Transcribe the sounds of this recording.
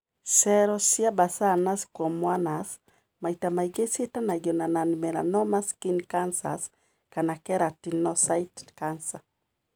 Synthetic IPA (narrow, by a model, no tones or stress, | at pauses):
sɛɾɔsjabasanaskɔmwanas | maitamaiɡesetanad͡ʒɔnananimɛɾa̰nɔmaskinkansa̰s | kanakɛɾatinɔsaitkansa